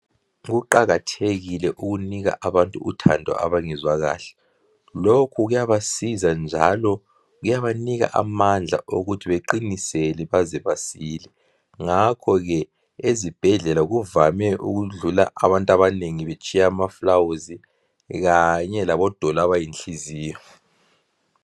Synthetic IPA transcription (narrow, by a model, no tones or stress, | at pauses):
ɣuǃaɣatʰeɣilɛʔuɣuniɣa̰ʔaβantʼuutʰa̰ndʱɔ̰ʔa̰βaŋɛzwaɣa̰ːɬɛ̥ | lokʰuɣujaβasizand͡ʒʱa̰lɔ | ɣujaβaniɣa̰ʔamand͡ɮʱa̰ʔoɣutʰiβeǃinisɛlɛβazɛβasilɛ | ŋakʰɔɣɛ | ezib̥ʱɛɮɛlaɣuvamɛʔṵɣuɮula̰ʔaβantʼaβaneŋiβet͡ʃʼiaːmaflawuzi | ɣaɲɛlaβɔd̥ʱɔlaβajint͡ɬʼiziːjɔ